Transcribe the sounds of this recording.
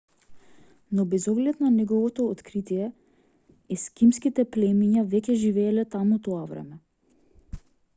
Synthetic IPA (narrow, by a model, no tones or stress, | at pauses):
nɔbɛzɔɡlɛt̪nanɛɡɔvɔt̪ɔːt̪kɾit̪ijɛ | ɛskimskit̪ɛplɛmiɲavɛcɛʒivɛːlɛt̪amut̪ɔavɾɛ̰mɛ